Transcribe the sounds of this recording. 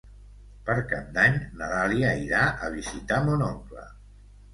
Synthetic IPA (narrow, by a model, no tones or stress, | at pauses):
pəɾkamd̪aɲnaðaliaiɾaʔəβ̞izit̪amonɔŋklə̰